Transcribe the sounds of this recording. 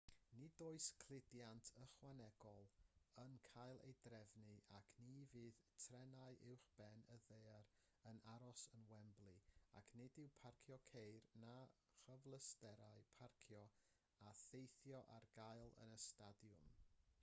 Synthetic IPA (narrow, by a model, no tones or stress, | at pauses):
nidoːɨskʰl̥ˠɪdjantʰəχwanɛɡ̥ɔlˠənkʰajlˠḛjdrɛvnɨʔakʰnivɨːðtʰrɛnaɨʔɪwχb̥ɛnəðejaɾ | ənaɾɔsənwɛmblˠia̰kʰnɪdɪwpʰarkʰjɔkʰejrna | χəvlˠəstɛɾaɨpʰarkʰjɔ | aθejθjɔʔarɡajlˠə̰nəstadjʊm